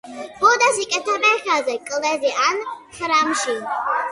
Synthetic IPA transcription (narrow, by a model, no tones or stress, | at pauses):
pʰɔd̪asikʼɛt̪ʰamɛxazɛkʼlɛziʔanχɾamʃi